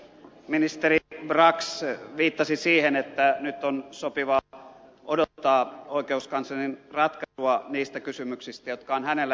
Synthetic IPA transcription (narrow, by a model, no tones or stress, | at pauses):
minist̪eribrɑksʋiːt̪ːɑsisiːhenet̪ːænyt̪ːonsopiʋɑʔodot̪ːɑːoikeuskɑnsɑninrɑt̪kɑsuɑniːst̪ækysymyksist̪æjot̪kɑoːnhænelːæ